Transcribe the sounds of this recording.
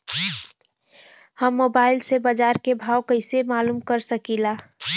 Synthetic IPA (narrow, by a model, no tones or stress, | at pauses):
həmːoːbaːɪlsebəd͡ʒaːɾkebʱaːwkəɪsemaːluːmkəɾsəkilaː